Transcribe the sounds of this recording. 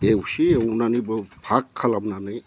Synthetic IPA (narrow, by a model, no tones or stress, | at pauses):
ewsiewnanibɯpʰakʰːalamnanɯj